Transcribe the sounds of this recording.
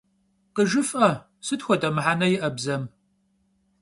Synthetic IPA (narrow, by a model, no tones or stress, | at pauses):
qəʒɨfʔɐ | sɨtxʷɔtʼɐmɨħanɐjɪʔɐbzɐm